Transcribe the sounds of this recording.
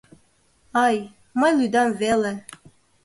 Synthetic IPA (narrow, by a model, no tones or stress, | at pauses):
ɑj | mɑjlˠyd̪ɑmvele